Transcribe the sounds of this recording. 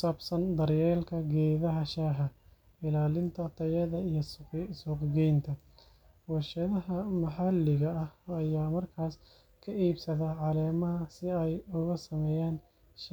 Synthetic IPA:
ksaːbsɐnd̪ɐrjɛːlkʰɐɡɛːðɐɦɐʃaːɦɐ | ɪlaːlɪnt̪ʰɐt̪ʰɐjɐðɐijɐsuːqɡɛjnt̪ʰɐ | wɑrʃɐðɐɦɐmɐħɑlːɪɣɐɐhɐjaːmɐrkʰaːs | kʰɐʔiːbsɐðɐʕɑlɛːmɐɦɐsɪɛjʊɣɐsɐmɛːjaːn | ʃ

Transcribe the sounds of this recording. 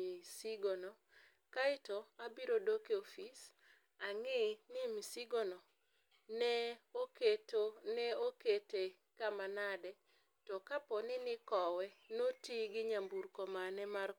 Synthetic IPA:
isiɡono | kaɪtoabiɾodokeofis | aŋɪnɪmisiɡonɔ | nɛoketonɛokete | kamanadɛ | tɔkapɔnɪnɪkɔwɛnotiɡɪɲambuɾkomanɛmar

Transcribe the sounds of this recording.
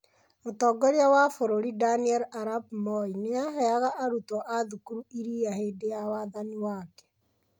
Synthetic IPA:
otɔːɡɔɾeawafoɾoɾidaniɛlaɾabmɔineaɦɛaɣaʔaɾutoʔaðukuɾuiɾiːaheːdejawaːðaniwakɛ̥

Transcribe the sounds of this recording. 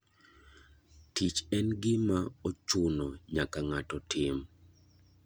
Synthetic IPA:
tit͡ʃɛnɡɪmaot͡ʃʊnɔɲakaŋatɔtʰɪm

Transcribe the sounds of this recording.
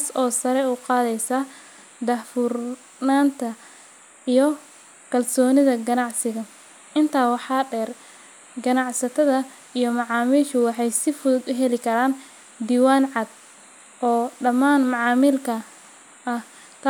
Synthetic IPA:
aːsɔːsɐɾɛuːqɑːðɛjsɐ | d̪ɐhfur | naːnt̪ʰɐ | ijɞ | kʰɐlsɔːnɪðɐɡɐnɑʕsɪɣɐ | ʔɪnt̪ʰaːwɑħɑːɖɛːr | ɡɐnɑʕsɐt̪ʰɐðɐ | ijɞmɑʕɑːmiːʃʊwɑħɑjsɪfʊðʊd̪ʊɦɛlɪkʰɐɾaːn | d̪iːwaːnʕɑd̪̚ | ʔɔːɖɐmaːnmɑʕɑːmiːlkʰɐ | ʔɐh | t̪ʰ

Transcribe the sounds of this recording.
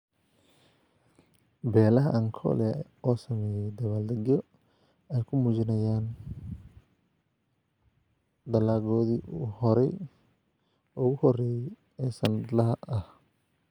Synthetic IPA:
bɛːlɐɦɐʔɐŋkʰɔ̰lɛ | ɔːsɐmɛːjɛjd̪ɐβald̪ɐɣjɔ | ɛjkʰʊmuːt͡ʃɪnɐjaːn | d̪ɐlaːɣɔːðḭːhɔɾɛj | ʊɣʊhɔrɛjɛj | ɛːsɐnɐd̪lɐɦɐʔɐh

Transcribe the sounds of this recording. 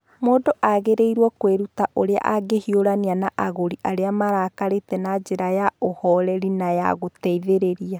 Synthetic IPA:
moːdoʔaɣeɾeiɾwɔkweɾutaʔoɾea̰ʔaɡehioɾanianaʔaɣoɾiʔaɾeamaɾaːkaɾetɛnad͡ʒeɾajaohɔɾɛɾinaja̰ɣotɛiðeɾeɾia

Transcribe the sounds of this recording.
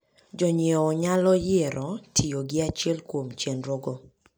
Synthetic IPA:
d͡ʒɔɲeɔɲalɔjɪɾʔɔtʰioɡɪat͡ʃjɛlkwomt͡ʃenɾoɡo

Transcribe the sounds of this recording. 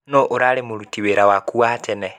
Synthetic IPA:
nɔʔoɾaɾemoɾutiweɾawakuatɛnɛ

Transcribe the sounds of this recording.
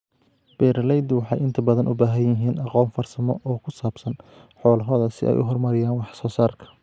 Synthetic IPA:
b̥ɛːɾɐlɛjd̪ɪwɑħɑ̰jɪnt̪ʰɐbɐðɐnʔʊbaːɦɐjjɪɦiːnɑqɔːnfɐrsɐmɔ̰ʔɔːkʰʊsaːbsɐnħɔːlɐɦɔːðɐsɪ̰ɛ̰jʔʊ̰ɦɔrmɐɾɪjaːnwɑħsɔːsaːrkʰɐ̥

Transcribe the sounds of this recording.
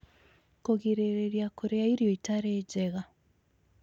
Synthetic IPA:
koɣiɾeɾeɾjakoɾeaiɾjoitaɾeːɟeɣa

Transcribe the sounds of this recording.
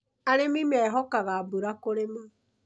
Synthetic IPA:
aɾemimɛɦɔkaɣabuɾakoɾema

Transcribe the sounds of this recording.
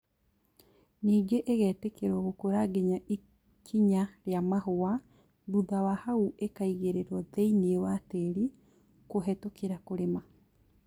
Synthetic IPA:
niːɡeʔeɣɛːtekeɾwɔɣokoɾaɡeɲaʔi | kʰiɲaɾeamaɦoa | buðawahauʔekaiɣeɾeɾwɔðɛineewateɾi | koɦɛtokeɾakoɾema

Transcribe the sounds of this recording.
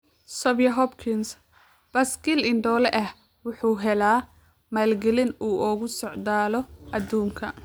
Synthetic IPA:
sɔbjɐɦɔbkʰɪns | b̥ɐsɡɪlɪnɖ̪ɔːlɛʔɐh | wʊħuːɦɛlaː | maːlɡɛlɪnuːʔɔːɣʊsɔʕd̪aːlɔʔɐd̪uːŋkʰɐ

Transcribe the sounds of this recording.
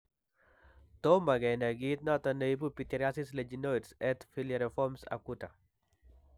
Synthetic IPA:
t̪omaɡɛnaɡit̪̚nɔt̪ɔneip̬upit̪ɛɾasisled͡ʒinoidsɛt̪filaɾɛfɔmsa̰kuta

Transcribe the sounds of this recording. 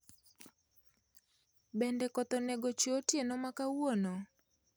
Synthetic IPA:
bɛndɛkɔt̪ɔnɛɡot͡ʃotjenɔmakawonɔ

